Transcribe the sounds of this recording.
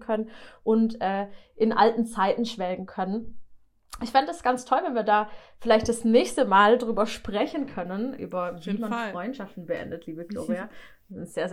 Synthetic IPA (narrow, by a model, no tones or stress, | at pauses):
kʰœnənʔʊntʔɛːʔɪnʔa̰ltn̩t͡saɪtn̩ʃv̥ɛlɡn̩kʰœnən | ʔɪçfandədasɡ̥ant͡stʰɔlvɛnviːɐdaːfɪlaɪçtd̥asnɛːçstəmaːldʁyːbɐʃpʁ̥ɛçn̩kʰœnənʔy̰ːbɐimɐfʁɔʏntʃaftn̩bəʔɛ̰ndətʰliːbəɡ̥lo̰ːʁia | zɪnz̥eːɐz